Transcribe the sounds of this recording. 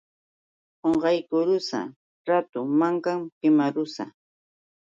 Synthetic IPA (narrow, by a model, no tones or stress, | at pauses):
hoɴɢɑjkʊɾʊsa̰ | ɾat̪ʊmaŋkampɪmaɾʊsa̰